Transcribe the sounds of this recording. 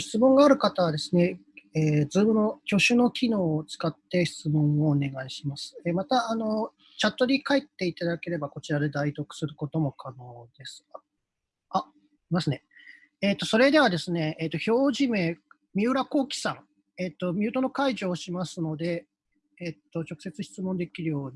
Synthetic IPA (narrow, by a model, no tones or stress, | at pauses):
çi̥t͡sɨmõŋɡaːɾɯ̟kat̪aβad̪e̞sɨne̞eːd͡zɨːbɯno̞kʲo̞ɕɨno̞kʲino̞ːt͡sɨ̥kat̪ːe̞çi̥t͡sɨmõ̞ɰ̃oːne̞ɡaiɕimasɨ̥emat̪aːno̞ | t͡ɕat̪ːo̞ɾʲikaet̪ːe̞it̪ad̪ake̞ɾe̞bako̞t͡ɕiɾad̪e̞d̪ait̪o̞kɯ̥sɨɾɯ̟ko̞t̪o̞mo̞kʰano̞ːd̪̥e̞sɨ̥a | a | imasɨne̞ | eːt̪ːo̞so̞ɾe̞d̪e̞βad̪e̞sɨne̞ːt̪ːo̞ço̞ːʑime̞ | mʲiɯɾako̞ːkʲi̥sãŋ | et̪ːo̞mʲɨ̟ːt̪o̞no̞kaiʑo̞ːɕimasɨno̞d̪e̞ː | t̪ːo̞t͡ɕo̞kɯ̟̥se̞t͡sɨçi̥t͡sɨmõ̞nd̪e̞kʲiɾɯ̟jo̞ːɲ̟i